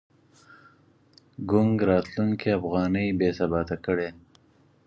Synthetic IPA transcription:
ɡʊŋɡɾɑt̪luŋkeafɣɑnəjbesabɑt̪akəɽe

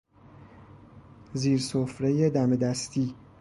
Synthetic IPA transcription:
ziːɾsofɾe̞je̞d̪æmed̪æst̪ʰiː

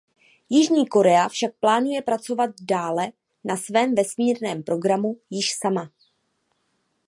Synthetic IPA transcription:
jɪʒɲiːko̞ɾɛafʃak̚plaːnujɛpɾat͡so̞vat̪̚daːlɛ | nasvɛːmvɛsmiːɾnɛːmpɾo̞ɡɾamujɪʃsama

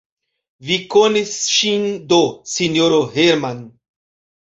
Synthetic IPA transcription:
vikonisʃind̪osinjoɾoheɾman

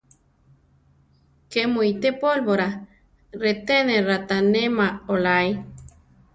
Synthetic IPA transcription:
kemuit̪epolβoɾa | ret̪eneɾat̪anemaolaj

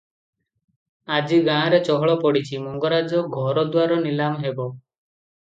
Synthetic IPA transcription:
ad͡ʒiɡãːɾet͡ʃɔɦɔɭɔpɔɽit͡ʃʰimɔŋɡɔɾad͡ʒɔɡʱɔɾɔd̪waɾɔnilamɦebɔ

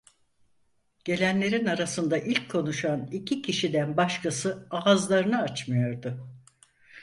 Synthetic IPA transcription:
ɟ̥e̞lʲænlʲe̞ɾinaɾasɯnd̪aʔilʲckʰːo̞nuʃanicʰicʰiʃid̪ænbaʃkʰasɯaːzlˠaɾɯnaat͡ʃmɯjo̞ɾd̪ʊ

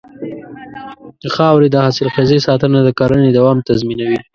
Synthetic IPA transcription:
əxɑwɾed̪əhasɪlxezesɑt̪ənad̪əkɑɾəned̪awɑmt̪azminawi

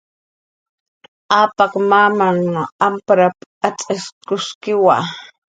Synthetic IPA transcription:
aːpɑkmamaŋampɾapat͡sʼaskʊskɪwa̰

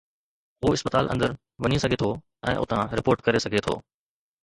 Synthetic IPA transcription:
ɦuːɪspət̪aːlʔə̰̃nd̪əɾ | ʋɐɲisɐɡʱet̪ʰo | ɛ̰̃ːʔʊ̰t̪ʰãɾɪpoːɾʈkɐɾesɐɡʱet̪ʰo̰ː

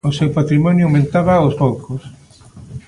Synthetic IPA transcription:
osewpat̪ɾimɔnjʊawmẽnt̪aβaospowkos

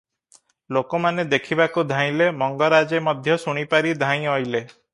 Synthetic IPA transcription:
lokɔmaned̪ekʰibakud̪ʱãj̃lemɔŋɡɔɾad͡ʒemɔd̪ʱjɔsuɽ̃ipaɾid̪ʱãj̃ɔjle

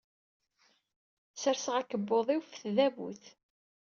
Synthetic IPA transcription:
səɾsəʁækəbːoðˤiwfθðævṵθ

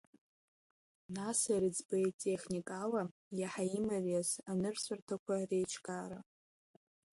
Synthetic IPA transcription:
nasaɾɨd͡zbajtʼeχnikʼala | jaħaimarasanɨrsʷartʰakʷʰarejt͡ʃʰkʼaɾa

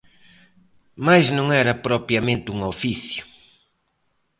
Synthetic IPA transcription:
majznõŋɛɾɐpɾɔpɾjɐmẽnt̪ɪuŋofiθjʊ̥

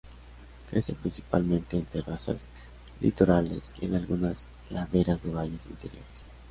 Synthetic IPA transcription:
kɾesepɾinsi̥palmẽnt̪eent̪ɾerasa̰s | lḭt̪eɾalesḛnalɣunas | laðeɾazðeβajesint̪eɾjo̰ɾes

